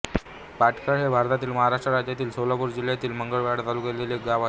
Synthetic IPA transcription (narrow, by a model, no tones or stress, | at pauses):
paʈʰkʰəɭɦebʱaɾt̪at̪iːlməɦaɾaʂʈɾəɾad͡ʑjat̪iːlsolapuːɾd͡ʑil̤jat̪iːlməŋɡəɭʋaɽt̪alukeleleɡaʋa